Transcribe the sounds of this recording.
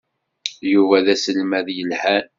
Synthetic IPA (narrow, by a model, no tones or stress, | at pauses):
juvæðæsəlmæðjəlhæn